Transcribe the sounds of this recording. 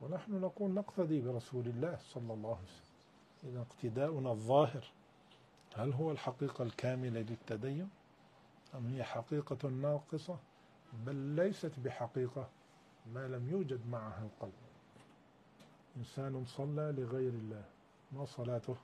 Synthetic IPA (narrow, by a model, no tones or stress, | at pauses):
wɪnaħnʊnaquːlnaqt̪ad̪ˤibɪɾˤɑsuːlɪlːaːhsˤɑlːɑlˤːɑːhsalː | ʔɪðaɪqt̪ɪd̪aːʔʊnaðˤːɑːɦɪɾ | halɦʊwːalħaqiːqalkaːmɪlalɪt̪ːad̪ajːʊn | ʔamhɪjːaħaqiːqɑnːɑːqɨsˤɑ | balːajsat̪bɪħaqiːqa | maːlamjuːd͡ʒad̪maʕahalqɑlb | ʔɪnsaːnnsˤɑlːalɪɣajɾɪlːaːh | masˤɑlaːt̪ʊh